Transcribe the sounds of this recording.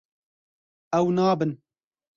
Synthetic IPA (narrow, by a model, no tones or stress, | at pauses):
ɛwnaːbɨn